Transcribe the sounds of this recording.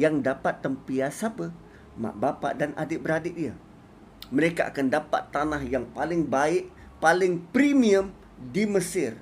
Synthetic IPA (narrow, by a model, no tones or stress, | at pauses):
jaŋdapat̪ːəmpiasapə | mã̰ʔbapa̰ʔdanʔa̰dɪbəɾadɪʔdia | məɾekaʔa̰kandapa̰t̪ːanahjaŋpalɪŋbaɪʔ | palɪŋpɾimĩəm | diməsɪr